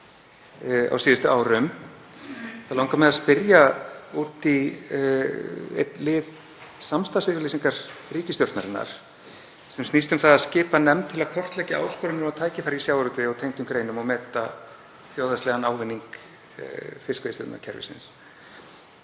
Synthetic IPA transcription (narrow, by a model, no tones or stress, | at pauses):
a̰wsiːðʏst̪ʏaːwɾʏm | θaðlawŋkamɛðaspɪɾjaut̪i | ɛ̰t̪lɪð | samst̪asɪɾvɪɾliːsiŋkaɾriːcɪst̪jowɾ̥t̪naɾɪnːa̰ɾ̥ | sɛmst̪ist̪ʏmθaðaðscɪːpanɛmt̪ʰɪlaðkʰɔr̥t̪lɛhcɪa̰ːwskɔɾɪnɪmawt̪ʰaːjcɪfaɾɾisjaːwɾʏt̪ɪɔɣt̪ʰejŋt̪ʏmkɾeːjnʏmɔɣmɛːt̪a | θjowðast̪ɛɣanaːwvɪnːiŋk | fɪskvest̪ɛ̰t̪na̰cʰɛɾvɪ̰sɪ̰ns